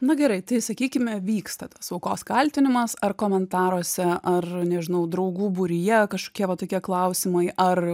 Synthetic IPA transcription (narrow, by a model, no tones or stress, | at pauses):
nʊɡʲɛɾɐɪt̪ɐɪsɐkʲiːkʲɪmʲɛʋʲiːkst̪ɐt̪ɐsɐʊkoːskɐlʲt̪ʲɪnʲɪmɐsɐrkoːmʲɛnt̪ɑːɾoːsʲɛʔɐrnʲɛʒʲɪnɐʊd̪ɾɐʊɡuːbʊɾʲɪjɛkɐʃko̥ːkʲiɛʋɐt̪oːkʲiɛklˠɐʊsʲɪmɐɪʔɐr